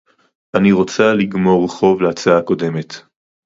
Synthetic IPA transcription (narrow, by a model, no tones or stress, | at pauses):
ʔaniʁo̞t͡saliɡmo̞ʁeχo̞vleat͡saako̞de̞me̞t̪